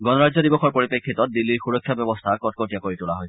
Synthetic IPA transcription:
ɡɔnɔɹazɔdibɔxɔɹpoɹipekʰːitɔt̚dilːiɹxuɹɔkʰːjabjɔbɔstʰakɔt̚kotijakoɹitulaɦoj

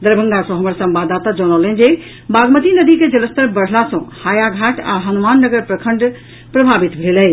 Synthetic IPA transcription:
d̪əɾbʱə̃ŋɡ̪asə̃ɦəməɾsəmbad̪at̪ad͡ʒɔnɔlənd͡ʒe | baɡmət̪inəd̪iked͡ʒələst̪əɾbəɽ̤lasə̃hajaɡʱaʈʰa̰ɦənumanːəɡəɾpɾəkʰəɳɖ | pɾəbʱabit̪bʱelɛ

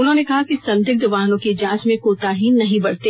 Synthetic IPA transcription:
ʊnɦõːnekɐɦakisɐ̃nd̪ʱɪk̚d̪ɐʋaːɦnõked͡ʒãːt͡ʃmẽkoːt̪aːɦiːnnːɐɦĩbɐɽt̪eː

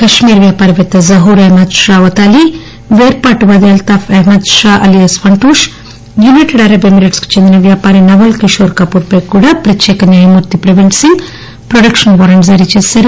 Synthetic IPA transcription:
kɐʃmiːɾʋjaːpaːɾɐʋet̪ːɐzɐɦuːɾemɐd̪ʃaːʋɐt̪aːli | ʋeːɾpaːʈuʋɐd̪ijɐlt̪aːfeɦmɐd̪ʃaːʔɐlijɐsʋɐɳʈuːʂ | juniʈɖɐːjɾɐbemiɾeʈsku̥t͡ʃend̪inɐʋjaːpaːɾinɐʋɐlkiʃoːɾkaːpuːɾpeːkːuːɽaːpɾɐt͡ʃːɛːkɐnjaːjɐmuɾt̪ipɾɐʋinʈsiŋɡ | pɾoɖɐkʂɐnʋɐːɾɐɳʈzɐɾit͡ʃeːsaːɾu

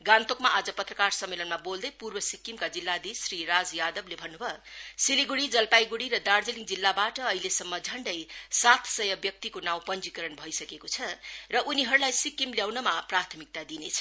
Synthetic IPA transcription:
ɡãnt̪okmaʔad͡zʌpʌt̪rʌkarsʌmːelʌnmabold̪ʌjpurbʌsikːimkad͡zilːad̪isrirad͡zjad̪ʌblebʱʌnːubʱʌsiliɡuɽid͡zʌlpajɡuɽiɾʌd̪ard͡zeliŋd͡zilːabaʈʌʌɦilesʌmːʌd͡zʱʌɳɖʌjsat̪ʰsʌjʌbjʌk̚t̪ikonaw̃pʌnd͡zikʌɾʌnbʱʌjsʌkekot͡sʰʌrʌʔuniɦʌɾulajsikːimljawnʌmaprat̪ʰʌmik̚t̪ad̪inet͡sʰʌ̥

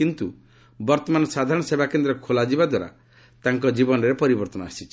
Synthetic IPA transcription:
kint̪u | bɔɾt̪ɔmanɔsad̪ʱaɾɔɽ̃ɔsebakend̪ɾɔkʰolad͡ʒibad̪waɾa̰ | t̪aŋkɔd͡ʒibɔnɔɾepɔɾibɔɾt̪ɔnɔasit͡ʃʰi

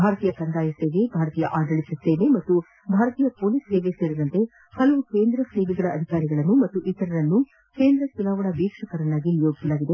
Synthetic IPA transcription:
bʱaːɾɐt̪iːjɐkɐnd̪aːjɐse̞ːʋe̞bʱaːɾɐt̪iːjɐʔaːd̪ɐɭisɐseːʋe̞mɐt̪ːu | bʱaːɾɐt̪iːjɐpoːliseːʋe̞se̞ːɾid̪ɐnt̪e̞ | hɐlɐʋukeːnd̪ɾɐseːbiɡɐɭɐɐd̪ʱikaːɾiɡɐɭɐnːumɐt̪ːuʔit̪ːɐɾɐɾɐnːu | ke̞ːnd̪ɾɐt͡ʃunaːʋɐɳɐbiːkʂɐkɐɾɐnːaːɡinijo̞ːɡisɐlaːɡid̪e̞

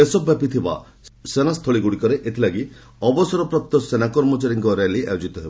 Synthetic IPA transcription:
esɔbːapit̪ʰiba̰ | senast̪ʰɔɭiɡuɽikɔɾeʔet̪ʰilaɡi | ɔbɔsɔɾɔpɾɔp̚t̪ɔsenakɔɾmɔt͡ʃaɾiŋkɔɾeliʔa̰jod͡ʒit̪ɔɦebɔ

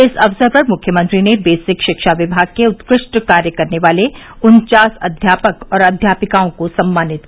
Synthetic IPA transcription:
ɪsɐfsəɾpɐɾmʊkʰjəmə̃nt̪ɾinebeːsɪkʃɪkʃaʋɪbʱaːɡ̚keʊt̪kɾɪʃʈkaːɾjəkɐɾneʋaːleʊnt͡ʃaːsɐ̰d̪ʱjaːpəkɔːɾɐd̪ʱjaːpɪkaːõkosɐmːaːnɪt̪

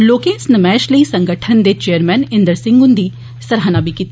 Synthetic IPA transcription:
loːkẽːsnəmɛːʃləiːsə̃ŋɡəʈʰənd̪eːt͡ʃeːəɾmɛːnɪ̃nd̪əɾsɪ̃ŋɡʊnd̪iː | səɾɦanabikit̪

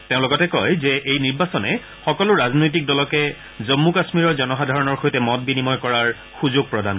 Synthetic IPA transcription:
tẽʊ̃lʊkɔtɛkɔjzɛʔejniɹbasɔnɛ | xɔkɔlʊɹaznojt̬ik̚dɔlɔkɛ | zɔmːukasmiɹɔɹzɔnɔxadʱaɹɔnɔɹxojtɛmɔt̚binimɔjkɔɹaɹ | xuzoɡ̚pɹɔdʱan

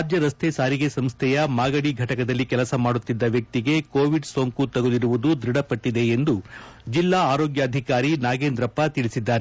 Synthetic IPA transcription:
ad̪jɐɾɐst̪ʰesaːɾiɡe̞sɐmst̪ʰɛjɐmaːɡɐɽiɡʱɐʈɐkɐd̪ɐlːikɛlɐsɐmaːɽut̪ːid̪ːɐʋjɐk̚t̪iɡe̞koːʋiɖsoːŋkut̪ɐɡoliɾuʋud̪ud̪ɾiɽɐpɐʈːid̪e̞ːnd̪u | d͡ʒilːaːaːɾoːɡjɐːd̪ʱikaːɾinaːɡeːnd̪ɾɐpːɐt̪iɭisid̪ːaːɾe

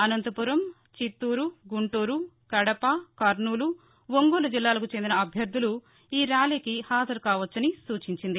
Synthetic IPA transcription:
ɐnɐnt̪ɐpuɾɐm | t͡ʃit̪ːuːɾuɡuɳʈuːɾu | kɐɽɐpɐkɐɾnuːlu | ʋoŋɡoːlɐd͡ʒilːaːlɐkut͡ʃend̪inɐɐbʱjɐɾd̪ʱːulu | iːɾaːliːkihaːd͡ʒɐɾkaːʋɐt͡ʃːɐnisuːt͡ʃiɲt͡ʃind̪i

